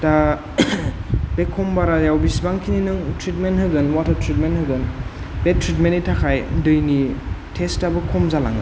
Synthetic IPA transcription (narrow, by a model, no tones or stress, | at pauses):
da | bekʰːɔmbaɾajawbisbaŋkʰininɯŋtʰɾitmentɦhɯɡɯnwatʰɔtɾit̚menthɯɡɯn | betʰɾit̬mentitʰakʰajdɯjnitʰestabɯkʰɔmzala̰ŋɯ̰